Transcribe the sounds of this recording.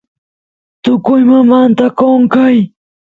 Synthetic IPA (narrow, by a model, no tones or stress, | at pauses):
t̪ʊkʊjmamant̪akoŋkaj